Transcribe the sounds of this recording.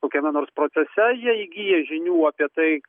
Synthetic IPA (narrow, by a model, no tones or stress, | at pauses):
koːkʲɛmʲɛnoːɾspɾoːt̪sʲɛsʲɛjiɛɪɡʲijɛʒʲɪnʲuːɐːpʲiɛt̪ɐɪ